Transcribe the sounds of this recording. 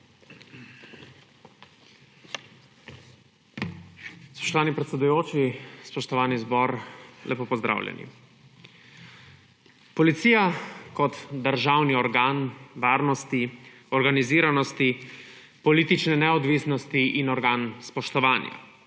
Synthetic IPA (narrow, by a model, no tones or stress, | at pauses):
spɔ̥ʃt̪ɔʋaːnipɾɛt̪sɛd̪ujoːt͡ʃispɔʃt̪ɔʋaːnizbɔɾlʔɛpopɔzd̪ɾʔa̰ːwlʲjɛ̰nḭ | pɔlit̪siːjakɔt̪d̪əɾʒaːwniɔɾɡaːnʋaːɾnɔst̪i | ɔɾɡaniziːɾanɔst̪i | pɔliːt̪it͡ʃnɛnɛɔd̪ʋisnɔst̪iʔinɔɾɡaːnspɔʃt̪ɔʋaːnja̰